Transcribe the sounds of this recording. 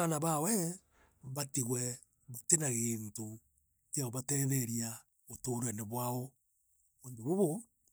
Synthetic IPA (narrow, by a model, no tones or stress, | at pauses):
anaβawɛ | βatiɣwɛ | βotenaɣeːnto | keaoβatɛðɛɾia | otoːɾwɛneβwaɔ | βoːndoβoβo